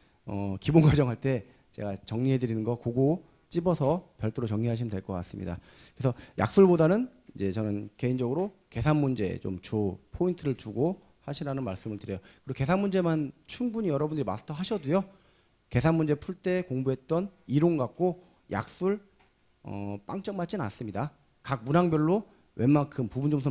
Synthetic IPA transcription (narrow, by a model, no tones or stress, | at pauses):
ʌ̰kibonɡwad͡ʑʌŋɦaɭt͈e̞ | t͡ɕe̞ɡat͡ɕʌŋɲiɦe̞dɯɾinɯnɡʌkoɡo | t͡ɕ͈ibʌsʰʌpjʌɭt͈ɯɾot͡ɕʌŋɲiɦaɕʰimɯndwe̞ɭk͈ʌk͈as͈ɯmɲḭda̰ | kɯɾesʰʌja̰k̚s͈uɭbodanɯnid͡ʑe̞t͡ɕʌnɯnke̞ind͡ʑʌɡɯɾoke̞sʰanmund͡ʑe̞̰t͡ɕo̰mt͡ɕopʰointʰɯɾɯɭt͡ɕuɡo | haɕʰiɾanɯnmaɭs͈ɯmɯɭtɯɾejokɯɾoke̞sʰanmund͡ʑe̞mant͡ɕʰuŋbuɲijʌɾʌbundɯɾima̰sʰtʰʌɦaɕʰʌdujo | ke̞sʰanmund͡ʑe̞pʰuɭt͈e̞koŋbuɦe̞t̚t͈ʌniɾoŋɡak̚k͈o | jʔa̰k̚s͈uɭ | ʌ̰p͈aŋt͡ɕ͈ʌŋmat̚t͡ɕ͈ina̰s͈ɯmɲida | kak̚munaŋbjʌɭːo | we̞mːaŋkʰɯmpubund͡ʑomsʰo